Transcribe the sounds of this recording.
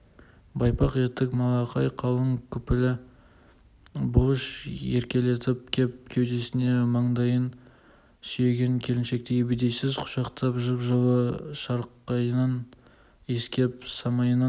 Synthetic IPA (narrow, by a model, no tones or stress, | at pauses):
bɑjpɑqe̞t̪ːɪkmɑlˠɑqɑjqʰɑw̪ˠəŋkʲʰʏpɪlɪ | bʊʃeɾkʲe̞le̞t̪ɪp̚kʲʰep̚kʲʰewd̪e̞sɪne̞mɑɴd̪ɑjən | sʏje̞ɡʲe̞ŋkʲʰe̞lɪnʃe̞k̚t̪eebed̪e̞jsɪzqʰʊ̥ʃɑqt̪ʰɑpʒəpʒəw̪ˠəʃɑɾqːɑjnɑn | e̞skʲe̞psɑmɑjənɑ